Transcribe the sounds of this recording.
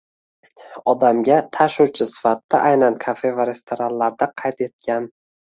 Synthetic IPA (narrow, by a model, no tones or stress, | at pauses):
ɒd̪amɡʲat̪ʰaʃuwt͡ʃʰɪsɪ̥fat̪ːaʔajnankʰafe̞vaɾe̞st̪ʰoɾanlaɾd̪aqʰɑjt̪e̞t̪̚kʲan